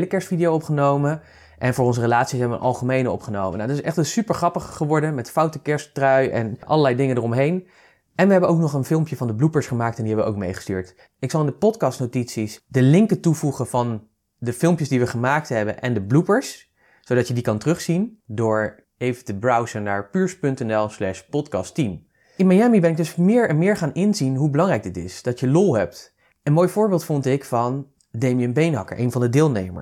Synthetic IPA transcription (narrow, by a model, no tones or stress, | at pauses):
ləkɛɹstfidijowɔpχənowmə | ʔɛnvʊːɹɔnzərəlaːtsisɦɛbəʋə̰nʔɑ̰lˠχəmejnəɔ̰pχənowmə̰nawdɑtɪsɛχtənsypəɹχrɑpəχːəʋɔɹdəmɛtfɑwtəkɛɹsttrœɥʔɛ̰nʔɑ̰lˠəɹlɛjdɪŋədərɔmɦejn | ʔɛnʋəɦɛbənowknɔχənfɪlˠmpjəvɑndəblupəɹsχəmaːk̚tɛndiɦɛbəʋəʔo̰wk̚mejχə̥sty̰ːɹt | ɪksɑlˠɪndəpɔtkɑstnowtitsisdəlɪŋkətuvuχənvɑn | dəfɪlˠmpjəsdiʋəχəmaːk̚tɦɛbənʔɛndəblupəɹs | sodɑtədikɑntərɵχsindʊːɹ | ejvətəbɹʌwzənaːɹpyːɹspɵntɛnɛlˠslɛʃpɔtkɑstim | ɪnmajaːmibɛnɪɡ̚dɵsmɪːɹɛnmɪːɹχaːnɪnzinɦubəlɑŋrɛjk̚dɪtɪ̰sd̥ɑtəlolˠɦɛp̚t | ənmojfʊːɹbɪːlˠtfɔntɪkfɑn | demijənbejnɦɑkə̰ɹʔḛjnvɑndədɪːlˠnejmə̰ɹ